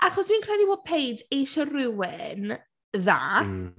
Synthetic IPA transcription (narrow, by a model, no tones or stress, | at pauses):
ʔaχɔswiːnkʰrɛdiboːd̚pʰejdejʃərɪwɪn | ða̰ː